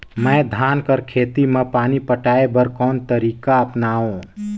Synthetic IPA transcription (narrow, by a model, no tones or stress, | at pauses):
mɛ̃d̪ʱaːnkəɾkʰeːt̪imẽpaːnipəʈaːebəɾkɔːnt̪əɾiːkaəpnaːõ